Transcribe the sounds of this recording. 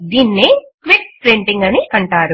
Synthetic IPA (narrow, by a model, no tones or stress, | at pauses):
d̪iːnːeːkʋik̚pɾeɳʈiŋɡɐniʔɐɳʈaːɾu